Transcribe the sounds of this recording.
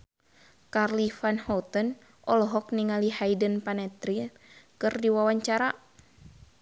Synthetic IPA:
karlifanhɔt̪ən | ʔɔlɔɦɔk̚niŋalihajdənpanɛt̪ɾi | kɨrdiwawaɲt͡ʃaɾa

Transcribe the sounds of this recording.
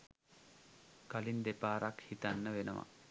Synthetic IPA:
kalind̪epaːɾakhit̪anːəʋenə̰ʋa̰

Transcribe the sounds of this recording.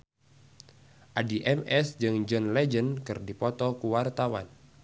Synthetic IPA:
ʔadiʔɛmɛsd͡ʒɨŋd͡ʒɔnlɛd͡ʒənkɨrdipɔt̪ɔkuwart̪awa̰n

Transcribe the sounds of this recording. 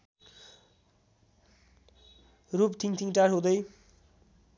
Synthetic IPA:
ɾupt̪ʰiŋt̪ʰiŋʈaɾɦod̪ej

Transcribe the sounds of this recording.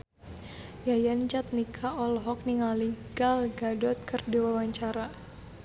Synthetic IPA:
jajant͡ʃat̪̚nikʰaɔlɦɔk̚niŋaliɡalɡadɔt̪̚kərdiwawaɲt͡ʃaɾa

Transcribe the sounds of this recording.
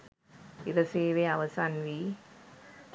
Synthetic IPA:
iɾɐseːʋeaʋɐsanʋi

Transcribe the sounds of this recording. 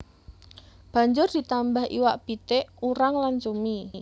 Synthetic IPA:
b̥a̤ɲd͡ʒʊrd̪̥i̤t̪ambahʔḭwaʔpit̪eʔuɾaŋlant͡ʃumi

